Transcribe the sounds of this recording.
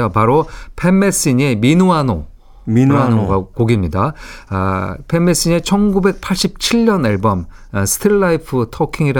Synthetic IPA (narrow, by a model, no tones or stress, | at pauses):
opaɾopʰe̞mːe̞s͈iɲe̞minoano̰ | ianɯoɡakoɡimɲida̰ | pʰe̞mːe̞s͈iɲe̞t͡ɕʰʌnɡube̞k̚pʰaɭɕ͈ip̚t͡ɕʰiɭːʌnaɭbʌmsʰɯ̥tʰiaipʰɯtʰʌkʰiŋiɾa